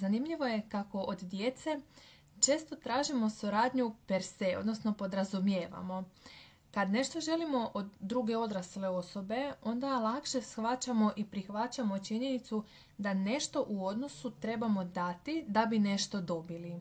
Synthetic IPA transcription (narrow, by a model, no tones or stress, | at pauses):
zanimʎiʋo̞je̞kako̞ʔod̪d̪je̞t̪se̞ | t͡ʃe̞ːst̪o̞t̪ɾaːʒimo̞suɾaːd̪ɲupeɾseod̪no̞sno̞po̞d̪ɾazumje̞ːʋa̰mo̞ | kad̪ne̞ʃt̪o̞ʒe̞limo̞ʔod̪ːɾuɡe̞o̞d̪ɾasleo̞so̞be̞o̞nd̪alˠakʃe̞sxʋat͡ɕamo̞ʔipɾixʋat͡ɕamo̞t͡ʃiɲe̞nit̪su | d̪ane̞ʃt̪o̞ʔuo̞d̪no̞sut̪ɾe̞bamo̞d̪at̪id̪abine̞ʃt̪o̞d̪o̞bili